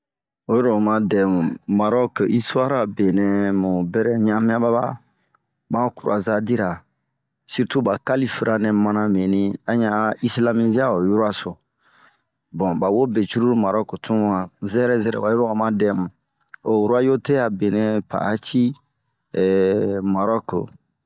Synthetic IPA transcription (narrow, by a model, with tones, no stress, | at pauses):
o˨jo˦ɾo˦˨mã˦dɛ˨mũ˨ma˨ɾɔ˦ki˦su˦a˦ɾa˨be˨nɛ̃˨mũ˨bɛ˦ɾɛ˦ɲã˦mĩ˦a˦ba˦ba̰˦ | bã˦ku˨ɾu˨a˨za˦di˦ɾa˨ | si˦ɾtu˦ba˨ka˦li˦fi˨ɾa˨nɛ̃˨mã˦nã˦mẽ˨nĩ˦a˨˦ɲã˨˦i˦sla˦mi˦zi˦a˦o˨ju˦ɾo˦a˨so˨ | bɔ̃˨ba˨wo˦be˨t͡ʃu˦ɾu˦ma˨ɾɔ˦ko˨tʰũ˦a˨zɛ˦ɾɛ˦zɛ˦ɾɛ̰˨ba˨jo˦ɾo˦a˨mã˦dɛ˦mũ˨ | o˨wu˨ɾu˦a˦jo˦te˦a˨be˨nɛ̃˦pa̰˨a˦t͡ʃi˦˨ | ma˨ɾɔ˦k